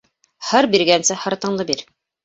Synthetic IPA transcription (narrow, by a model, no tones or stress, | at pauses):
hɤɾbiɾɡænsɘhɤɾt̪ɤ̆ɴlˠɤbiɾ